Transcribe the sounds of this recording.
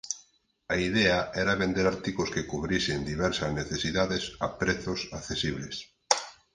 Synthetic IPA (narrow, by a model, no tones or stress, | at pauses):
aiðɛaɛɾaβend̪eɾaɾt̪ikoskekuβɾisend̪iβɛɾsɐzneθesiðaðesapɾeθʊsaθesiβles